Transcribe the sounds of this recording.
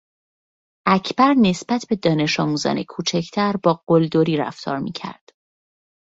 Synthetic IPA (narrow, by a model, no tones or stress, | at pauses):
ʔæcʰb̥æɾne̞sbæt̪ʰbe̞d̪ɒːne̞ʃɒːmuːzɒ̰ːnḛkʰuːt͡ʃʰæcʰt̪ʰæɾbɒːɡ̥old̪oɾiːɾæ̰ft̪ʰɒ̰ːɾmḭcʰæ̰ɾd̪̥